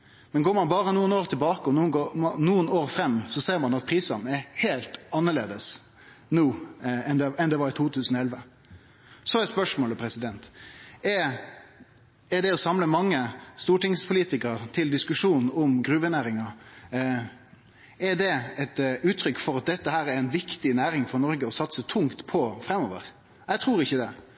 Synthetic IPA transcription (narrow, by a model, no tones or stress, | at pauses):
mɛnɡoːɾmɑnbɑːɾənuːənoːɾt̪ʰɪlbɑːkəɔnuːɡonuːənoːɾfɾɛmːsɔseːɾmɑnɑt̪̚pʰɾiːsɑnɛɾheːlt̪ɑnːəɭḛːd̪əs | nuːɛnd̪ɛɛnd̪ɛʋɑɾɪt̪ʰuːt̪ʰʉːsən̩ɔɛlʋə | sɔɛspœʂmoːləpʰɾɛsɪd̪ɛnt̪ɛ | ɛɖ̪ɛɔsɑmləmɑŋːəst̪uːʈɪŋspʰʊliːt̪ɪkəɾt̪ʰɪld̪ɪskʉʂuːnn̩ɔmɡɾʉːʋənæːɾɪŋɑ | ɛɖ̪ɛɛt̪ʉːt̪ʰɾʏkːfɔɾɑt̪̚d̪ɛt̪ːəhæːɾæɾænʋɪkt̪ɪnæːɾɪŋfɔɾnɔɾɡəɔsɑt̪sət̪ʰʊŋt̪pʰɔfɾɛmːɔːʋə̰ɾ | jɛt̪ʰɾuːɾɪçːəd̪ɛ